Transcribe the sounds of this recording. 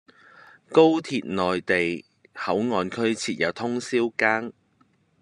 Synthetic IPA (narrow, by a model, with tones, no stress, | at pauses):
ko˥wt̪ʰiː˨t̚nɔː˨jt̪e˨j | hɐ˨˥wŋɔː˨˧nkʰɵ˥ɥt͡sʰiː˨˧t̚jɐ˨˧wt̪ʰʊ˥ŋsiː˥wkaː˥ŋ